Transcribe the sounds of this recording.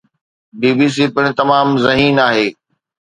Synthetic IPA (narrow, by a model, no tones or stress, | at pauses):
biːbiːs̬ipɪɽ̃ɪ̆t̪ɐmaːmzɐɦiːnaːɦeː